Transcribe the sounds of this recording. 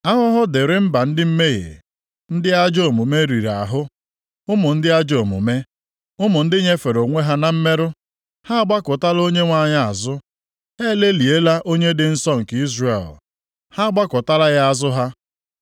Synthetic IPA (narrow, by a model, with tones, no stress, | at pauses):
a˦ɦʊ˦ɦʊ˦dɪ˨ɾɪ˦m̩˦ba˨n̩˦dɪ˦m̩˦me˦ɣḛ˨ | n̩˦dɪ˦a˦d͡ʒo˦˨mʊ˨me˦ɾi˨ɾa̰˨ɦʊ˦ | ʊ˦mʊ˨n̩˦dɪ˦a˦d͡ʒo˨mʊ̰˨me˦ | ʊ˦mʊ˨n̩˦dɪ˦ɲe˦fe˨ɾo˨ŋʷe˦ɦa˦na˨m̩˦me˦ɾʊ˦ | ha˦ɡ͡ba˦kʊ˨ta˦lo˦ɲe˦ŋʷa˦˨ɲa˦a̰˨zʊ˦ | he˦le˦li˨e˦la˦ʔo˦ɲe˦dɪ˨n̩˦sɔ˦ŋ̩˨ki˦zre˨l | ha˦ɡ͡ba˦kʊ˨ta˦la˦ɣa˦a˦zʊ˦ɦa˦